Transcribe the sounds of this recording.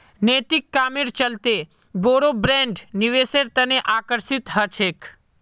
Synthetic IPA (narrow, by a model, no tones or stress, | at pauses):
neːt̪ɪkːaːmɪɾt͡ʃəlt̪e | boːɾobɾẽːɳɖniʋeːseɾt̪əneʔaːkəɾsɪt̪ɦət͡ʃʰeːk